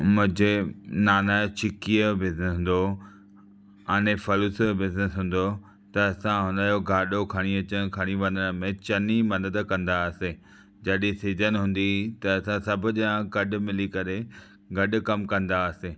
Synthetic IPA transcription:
mʊ̃ɦɪ̃d͡ʑenaːnat͡ɕʰɪkiəbɪznɦːn̆d̪o | ɐñefɐlusbɪznɪsɦũːn̆d̪o | t̪ɐːsãɦʊ̃nd̪aːjoɡʱaːɗokʰɐɽ̃iɐt͡ɕən̆kʰɐɽ̃iʋɐ̃nəɽ̃̆mẽt͡ɕɐnimɐd̪əd̪kɐ̃nd̪aɐseː | d͡ʑɐɗĩsizənɪ̆ɦũːn̆d̪it̪ɐɐsãsɐbʱʊd͡ʑjãɡɐɗʊ̆mɪlikɐɾe | ɡɐɗʊ̆kɐmkɐ̃nd̪aɐseː

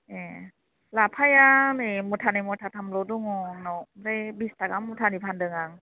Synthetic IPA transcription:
e | lapʰajanɯmutʰanajmɔtʰatʰamlɔduŋɔnɔwɾejbistaɡamːutʰanipʰandɯŋaŋ

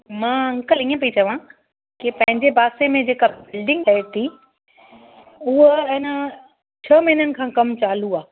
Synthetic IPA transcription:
mãːɐ̃ŋkəliːə̃pɐit͡ɕɐʋã | kipɐ̃ɦɪ̃ɲd͡ʑebʱaːsemẽd͡ʑeːkabɪlɖɪ̃ŋɡɗeːt̪ʰi | ʊɦɪɦnə | t͡ɕʰɐmiːnənɪ̆kʰãːkɐmt͡ɕaːl̤uaː

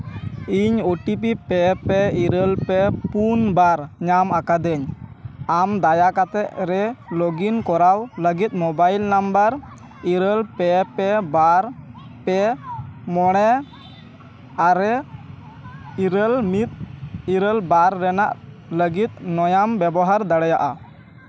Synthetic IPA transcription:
iɲoʈip̬ipɛpɛiɾəlpɛpunbaɾɲamakad̪ɛɲamd̪ajakat̪ɛʔɾɛlɔɡinkɔɾawləɡit̪̚ˀmɔbajlnambəɾ | iɾəlpɛpɛbaɾ | pɛ | mɔɽ̃ɛ | aɾɛ | iɾəlmit̪̚iɾəlbaɾːɛnaʔ | ləɡit̪̚ˀnɔjambɛbɔɦaɾd̪aɽɛjaʔa̰

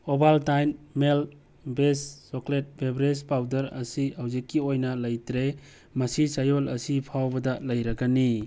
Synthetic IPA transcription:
obaltajnmel | besːoklet̚bebɾespawdɐɾɐ̰sihawzikːiojnɐlɐjtɾe | mɐsisajolɐ̰sipʰawbɐdɐlɐjɾɐɡani

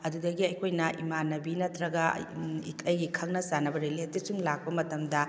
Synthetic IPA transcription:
ɐdudɐɡiɐjkʰojnɐʔḭmanːɐbinɐtɾɐɡɐḭkʰɐjɡikʰɐŋnɐsanɐbɐɾeletisuŋlak̚pɐmɐtɐmdɐ

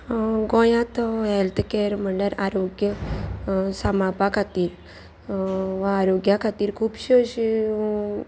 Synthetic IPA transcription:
ɡɔ̃jãt̪ɔɦɛlt̪keɾm̤əɳɖəɾaɾoɡjə | səmapakʰat̪iːɾ | ʋaːɾoɡjakʰat̪iːɾkʰuːbɕiəɕi

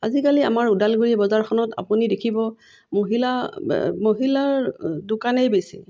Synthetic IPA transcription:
azikalia̰maɹudalɡuɹibɔzaɹkʰɔnɔta̰punidekʰibɔ | moɦilamoɦilaɹdʊkanejbesḭ

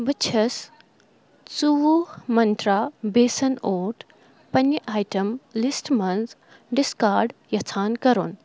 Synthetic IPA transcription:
bɐt͡ʃʰɐs | t͡suʋuhmɐnt̪ɾaːbeːsɐnoːʈ | pɐnjəʔaːjʈɐmlisʈmɐnz | ɖiskaːɾɖjɐt͡sʰaːnkɐɾoːn

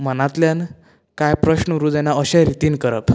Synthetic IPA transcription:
m̤ənat̪ljan | kajpɾəɕnəɾud͡zɛnaəɕɛ̃ɾit̪iːnkəɾə̰p

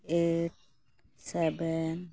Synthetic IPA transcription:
et̚ | sɛbɛn

